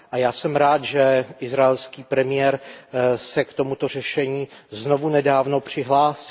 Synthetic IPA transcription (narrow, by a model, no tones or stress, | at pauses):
ʔajaːsɛmɾaːt̪ʒɛʔɪzɾaɛlskiːpɾɛmɪjɛɾsɛkt̪o̞mut̪or̝ɛʃɛɲiːznovunɛdaːvno̞pr̝̥ɪɦlaːsi